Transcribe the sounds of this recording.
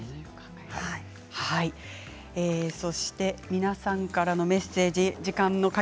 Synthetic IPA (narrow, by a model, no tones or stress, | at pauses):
kaɡa | hai | eːso̞ɕi̥t̪e̞mʲinasãŋkaɾano̞me̞se̞ːd͡ʑid͡ʑikãnːo̞ka